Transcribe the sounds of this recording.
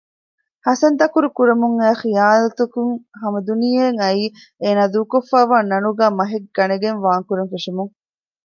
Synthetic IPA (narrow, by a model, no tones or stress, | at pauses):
hɐsɐnt̪ɐkuɾukuɾɐmuŋæːxijaːlɐt̪ukuŋɦɐmɐd̪unijeŋɐiː | eːnaːd̪uːkofːaːʋaːnɐnuɡæːmɐɦeɡɡːɐneɡenʋaːŋkuɾeŋfeʂemuŋ